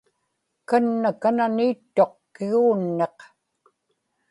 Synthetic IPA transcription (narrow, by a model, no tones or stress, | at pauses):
kanːakananiːt̪ːo̞qkɪɣuːnːe̞q